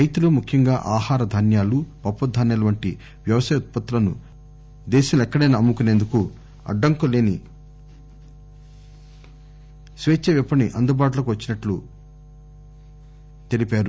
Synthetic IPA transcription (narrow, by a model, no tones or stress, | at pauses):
ɾɐjt̪uloːmukʰjɐŋɡaːʔaːhaːɾɐd̪ʱɐnjaːlupɐpːɐd̪ʱːaːnɐlɐʋɐɳʈi | ʋjɐʋɐsɐːjɐut̪̚pɐt̪ːɐlɐnu | d̪ɛːʃɐmɛkːɐɽeːnɐmːukune̞ːnd̪uku | ɐ̰ɖːɐŋkule̞ːni | sʋeːt͡ʃːɐʋipːɐniʔɐnd̪ubaːʈulɐkuʋɐt͡ʃːinɐʈlu | t̪e̞lipaːɾu